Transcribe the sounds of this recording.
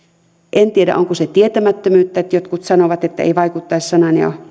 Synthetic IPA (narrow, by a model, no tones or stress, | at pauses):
ʔent̪ieɾæ̰ʔoŋkuset̪iet̪æmæt̪ːømyːt̪ːæet̪jot̪kut̪sɑnoʋɑt̪et̪ːæ̰ḛiʋɑikut̪ːɑessɑnɑneo̰